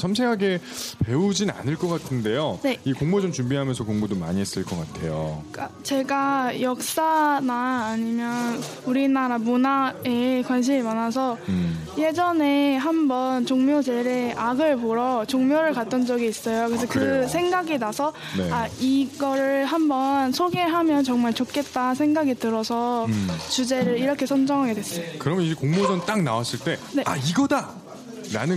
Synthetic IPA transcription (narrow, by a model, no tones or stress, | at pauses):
sʰams̬ʰeɦaɡe̞pe̞ud͡ʑina̰nɯɭk͈ʌk͈atʰɯnde̞jone̞ikoŋmod͡ʑomt͡ɕumbiɦamjʌnsʰʌkoŋmodoma̰ɲiɦes͈ɯɭk͈ʌk͈atʰe̞jok͈at͡ɕe̞ɡajʌk̚s͈anaːɲimjʌn | uɾinaɾamunaekwanɕ̬ʰimimanasʰʌje̞d͡ʑʌne̞ɦambʌnt͡ɕoŋmjod͡ʑe̞ɾeʔaɡɯɭpoɾʌt͡ɕoŋmjoɾɯɭkat̚t͈ʌnd͡ʑʌɡiːs͈ʌjokɯɾesʰʌkɯsʰe̞ŋɡaɡinasʰʌ | nḛaiɡʌɾɯɭɦambʌnsʰoɡe̞ɦamjʌnt͡ɕʌŋmaɭt͡ɕok͈e̞t̚t͈asʰe̞ŋɡaɡitɯɾʌsʰʌt͡ɕud͡ʑe̞ɾɯɭiɾʌkʰe̞sʰʌnd͡ʑʌŋɦaɡe̞dwes͈ʌjokɯɾʌmjʌnid͡ʑekoŋmosʌnt͈aŋna̰was͈ʰiɭt͈e̞ne̞aiɡʌda | ɾa̰nɯ